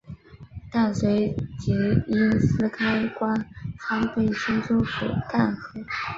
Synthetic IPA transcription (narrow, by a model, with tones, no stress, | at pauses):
t̪a˥˩nswe˧˥ɪt͡ɕi˧˥i˥˩nsɹ̩˥kʰa˥ɪkwa˥nxa˥npe˥˩ɪɕi˥nʈ͡ʂo˥ʊfu˨˩k̪a˥˩nxɤ˧˥